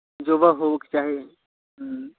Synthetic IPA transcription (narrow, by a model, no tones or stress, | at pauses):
d͡ʒobaɦoʋəkt͡ʃaːɦie | ɦ